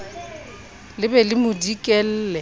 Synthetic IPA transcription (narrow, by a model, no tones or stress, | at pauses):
lɪbɛlɪmʊdikʼɛl̩ːlɛ